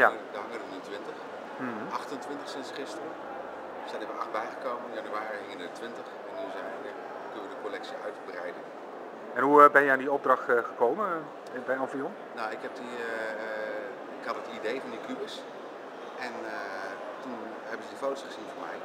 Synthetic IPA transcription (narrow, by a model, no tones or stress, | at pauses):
jadəɦɑŋədənintʋɪntəχ | m̩ɑχtəntʋɪntəχsɪnsχɪstərə | sɛndəʋəʔɑχtbɛjχəkowmənɪnjɑnyaːriinətʋɪntəχ | ɪnizɛdə | kɵnəʋədəkɔlɛksiœ̰ɥtbrɛ̰jdən | ɛnɦubɛnjəandiɔb̚drɑχtχəkowmən | bɛjɑnfiɔn | nawɪkɦɛp̚di | ɪkɦɑtətidejvɑndikybəs | ɛn | tun | ɦɛbənzədifowtsχəzinvoːɹmɛ̰j